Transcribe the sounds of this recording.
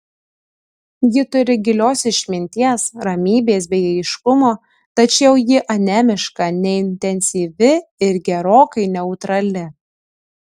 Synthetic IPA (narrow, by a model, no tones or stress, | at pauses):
jɪt̪ʊɾʲɪɡʲɪlʲoːsɪʃʲmʲɪnʲt̪ʲiɛsɾɐmʲiːbʲeːs̬bʲɛɪɐɪʃkʊmoː | t̪ɐt͡ʃʲɛʊjɪʔɐnʲæːmʲɪʃkɐnʲɛɪnʲt̪ʲɛnʲsʲiːʋʲɪɪɾɡʲɛɾoːkɐɪnʲɛʊt̪ɾɐlʲɪ